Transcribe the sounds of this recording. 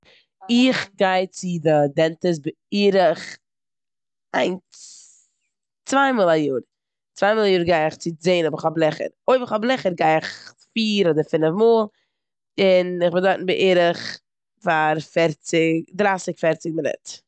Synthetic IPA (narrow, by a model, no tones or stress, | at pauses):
ɪχɡaɪt͡sɪdɪdɛntəs̬bɪ | iːɾəχ | aɪnt͡s | t͡svaɪmɔlˠajuːɾ | t͡svaɪmɔlˠajuːɾɡaɪɪχt͡sɪt͡seɪnɔbəχɔblˠɛχə̰ɾoɪbəχɔblˠɛχəɾɡaɪɪχfiːɾɔdəɾfɪnəfmoːlˠ | ɪnɪχbɪndɔɪtn̩bɪʔiːɾəχ | faɾfɛɾt͡sɪkdɾaːsɪkfɛɾt͡sɪɡ̚mɪnɪ̰t